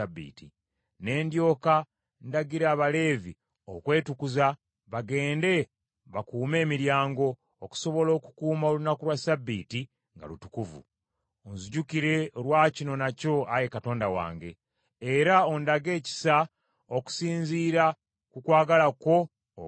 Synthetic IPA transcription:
abːḭːti | ne̞ːndjo̞ːka | ndaɡiɾaβale̞ːvi | o̰kwe̞ːtukuza | βaɡe̞ːnde̞ | βakuːme̞ːmiɾjaːŋɡo̞ː | ku̥so̞βo̞lo̞ːku̥kuːmaolunakulwasabːiːti | ŋɡa̰lutukuvṵ | onziɟukiɾe̞olwaːcino̞naco̞ajekato̞ːndawa̰ːŋɡe̞ː | ɾao̞ndaɡe̞ːci̥sa | oku̥siːnziːɾa | kukwaːɡalako̞

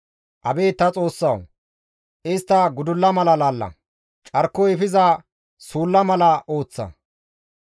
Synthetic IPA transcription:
ʔɐbeːt̪ːɐt͡sʼo̞ːsːɐw | ʔɪst̪ːɐɡʊd̪ʊlːɐmɐlɐlaːlːɐ̰ | t͡ʃʼɐɾkːɔɪfɪzɐ | suːlːɐmɐlɐʔo̞ːt͡sːɐ̰

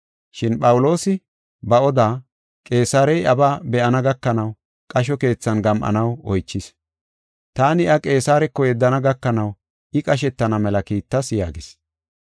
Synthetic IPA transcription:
ʃɪnpʼɐwʊlo̞ːsɪ | bɐʔɔd̪aː | kʼe̞ːsaːɾɛjʔɐbaːbɛʔɐnɐɡɐkːɐnɐw | kʼɐʃ̬ɔke̞ːt͡sːɐnɡɐmʔɐ̰nɐwɔjt͡ʃːɪs | t̪aːnɪʔɐkʼe̞ːsaːɾɛkːɔjɛd̪ːɐnɐɡɐkːɐnɐw | ɪkʼɐʃ̬ɛt̪ːɐnɐmɛlɐkiːt̪ːɐsja̰ːɡɪs

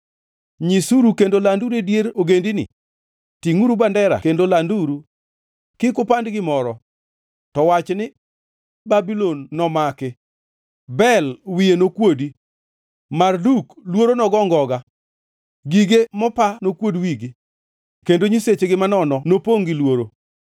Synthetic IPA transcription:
ɲisuɾukendolanduɾedjeɾoɡendinɪ̰ | tiŋuɾubandɛɾa̰kendolanduɾu | kɪkʊpandɡɪmɔɾɔ | tɔwat͡ʃnɪ | babilonːɔmakɪ | bɛlwijenokwodi | marduklwoɾonɔɡɔŋɡɔɡa | ɡiɡemɔpanokwodwiɡi | kendoɲiset͡ʃeɡɪmanɔnɔnopoŋɡilwoɾo

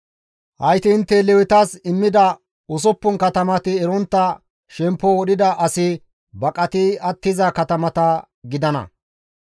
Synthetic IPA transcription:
hɐjt̪ɪːnt̪ːɛlɛwɪt̪aːsɪmːɪd̪ɐ | ʊs̬ɔpːʊnkɐt̪ɐmɐt̪ɪɛɾɔnt̪ːɐ | ʃɛmpːɔɔɗɪd̪ɐʔɐsɪ | bɐkʼɐt̪ɪɐt̪ːɪzɐkɐt̪ɐmɐt̪ɐ | ɡɪd̪ɐnɐ̰

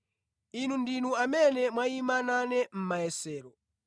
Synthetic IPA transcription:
inundinuamɛnɛmwaimananɛm̩maɛsɛːɾɔ

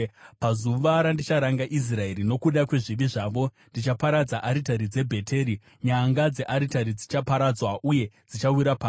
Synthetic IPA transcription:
pazuʋaɾandit͡ʃaɾaŋɡaʔis̬rae̞ɾino̞kuɗakwe̞ʐiʋiʐaːʋo̞ndit͡ʃapaɾad͡zaʔaɾitaɾid͡ze̞bʱe̞tʰe̞ɾi | ɲaŋɡad͡ze̞ʔaɾitaɾid͡zit͡ʃapaɾad͡zwaʔuje̞d͡zit͡ʃawiɾapaː

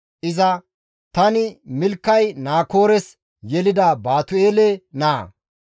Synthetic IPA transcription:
ʔɪzɐ | t̪ɐnɪmɪlkːɐjnaːko̞ːɾɛs | jɛlɪd̪ɐbaːt̪ʊeːlɛnaː

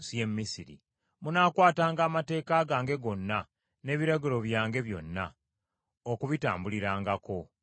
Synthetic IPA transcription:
sijemːisiɾḭ | munaːkwaːtaːŋɡaːmate̞ːkaːɡaːŋɡe̞ɡo̞nːa | ne̞ːβiɾaɡilo̞βjaːŋɡe̞βjo̞̰nːa | okuβita̰ːmbuliɾaːŋɡako̞

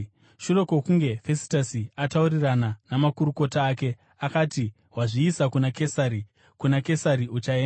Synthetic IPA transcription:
ʃure̞kokuŋɡe̞fe̞si̥tasiataurirananamakuɾuko̞taːke̞ | akati | ɦwaʐiːsakunake̞saɾi | kunake̞saɾiut͡ʃaeːna

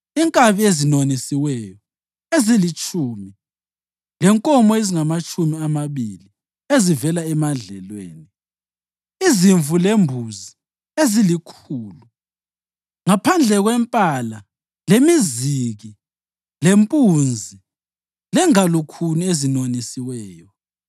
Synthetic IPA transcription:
iŋkʼaβiezinonisiwɛjɔ | ezilit͡ʃʼʰuːmi | lɛŋkʼɔmɔeziŋamat͡ʃʼumiamaβḭli | ezivɛlaɛmaɮɛ̰lwḛːni | iziɱvʱulembʱuzi | ezilikʰuːlu | ŋapʰand͡ɮʱɛɣwɛmpʼala | lemiziɣi | lempʼund͡zʱi | lɛŋalukʰuniezinonisiwɛːjɔ

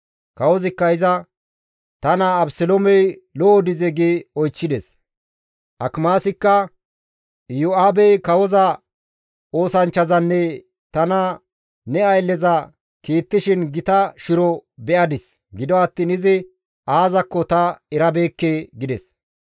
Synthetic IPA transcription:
kɐwɔzɪkːɐɪzɐ | t̪ɐnɐːbsɛlomɛjlɔɔd̪ɪzɛɡeɔjt͡ʃːɪd̪ɛs | ʔɐkmaːsɪkːɐ | jʊaːbɛjkɐwɔzɐ | oːsɐnt͡ʃːɐzɐnːɛ | t̪ɐnɐ | nɛɐjlːɛzɐ | kiːt̪ːɪʃɪnɡɪt̪ɐʃɪɾɔbɛʔɐd̪ɪs | ɡɪd̪ɔɐt̪ːiːnɪzɪ | aːzɐkːɔt̪ɐɛɾɐbeːkːeːɡɪd̪ɛs

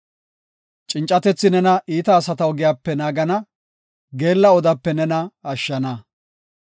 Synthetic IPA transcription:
t͡ʃʼɪnt͡ʃʼːɐt̪ɛt͡sːɪnɛnɐʔiːt̪ɐːsɐt̪ɐɔɡɪjaːpːɛnaːɡɐnɐ | ɡe̞ːlːɐɔd̪ɐpːɛnɛnɐɐʃːɐnɐ

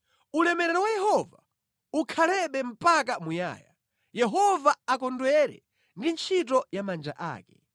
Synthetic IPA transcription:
ulɛmɛɾɛɾɔwajɛhɔva̰ | ukʰalɛɓɛm̩pak̬amuja̰ːja | jɛɦɔvaakɔndwɛɾɛ̰ | ndint͡ʃʰit̬ɔjamand͡ʒa̰ʔa̰ːkɛ̥

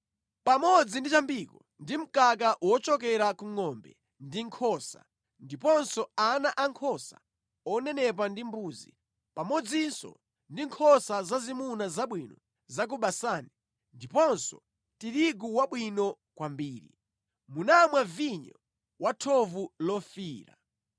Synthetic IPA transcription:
pamɔd͡zindit͡ʃambikɔ | ndim̩kak̬aʔwɔt͡ʃɔkɛɾakuŋɔmbɛ | ndiŋkʰɔsa̰ | ndipɔnsɔanaʔaŋkʰɔsa̰ | ɔnɛnɛp̬andimbuːzḭ | pamɔd͡zinsɔ̰ | ndiŋkʰɔsazazimunazaɓwinɔ̰ | zak̬uɓasaːni | ndipɔnsɔ̰ | tiɾiɡuwaɓwinɔ | kwambiːɾḭ | munamwaviɲɔ̰ | watʰɔvulɔfiːɾa̰

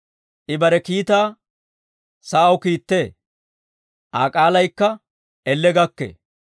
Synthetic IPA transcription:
ʔɪbɐɾɛkiːt̪aː | sɐɐwʊkiːt̪ːeː | ʔaːkʼaːlɐjkːɐ | ɛlːɛɡɐkːḛː

